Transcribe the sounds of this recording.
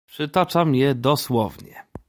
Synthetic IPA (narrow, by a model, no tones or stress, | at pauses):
pʂɘt̪ɔt͡ʂamjɛd̪ɔswɔvɲɛ̰